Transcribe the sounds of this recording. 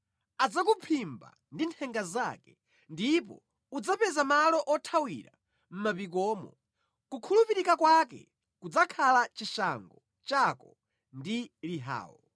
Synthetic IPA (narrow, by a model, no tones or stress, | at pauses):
ad͡zakupʰimba̰ | ndintʰɛŋɡazakɛ | ndipɔ̰ | ud͡zapɛzamalɔʔɔtʰawḭɾa | m̩mapik̬ɔːmɔ̰ | kukʰulupiɾikakwakɛ̰ | kud͡zakʰalat͡ʃiʃa̰ŋɡɔ | t͡ʃakɔ | ndiliɦa̰ːwɔ̰